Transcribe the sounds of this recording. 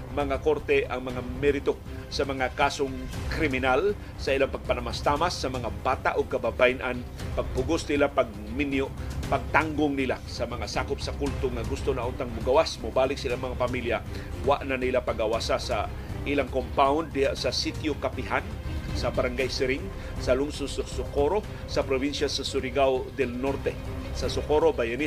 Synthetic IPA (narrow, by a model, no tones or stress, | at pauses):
mɐŋakoɾt̪ɛʔɐŋmɐŋamɛɾɪt̪o | sɐmɐŋakaːsoŋkɾɪmɪnal | sɐʔilaŋpɐɡ̚panamast̪amasːɐmɐŋabaːt̪a̰ʔoɡ̚kɐbabajnʔan | paɡ̚pʊɡʊsnɪlapaɡ̚mɪnjoʔpaɡ̚t̪aŋɡoŋnɪlasɐmɐŋasaːkʊpsɐkult̪oŋaɡʊst̪onaʔʊnt̪aŋmʊɡawasmʊbaːlɪk̚sɪlaŋmɐŋapɐmilja | wa̰ʔnanɪlapaɡɐwaːsasa̰ | ʔilaŋkompawnd̪ːɪhaʔsɐsit̪jokapɪɦan | sɐbɐɾaŋɡajsɪɾɪŋ | sɐlʊŋsʊsʊsʊkoɾo | sɐpɾobinʃasɐsʊɾɪɡawd̪ɛlnoɾt̪ɛ | sɐsʊkoɾobajani